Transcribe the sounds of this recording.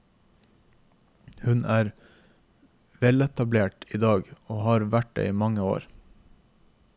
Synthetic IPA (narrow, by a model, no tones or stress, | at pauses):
hʉnæːɾ | ʋɛlɛt̪ɑbleːʈiːd̪ɑːɡoːhɑːɾʋæʈ̚dḛiːmɑŋəo̰ːɾ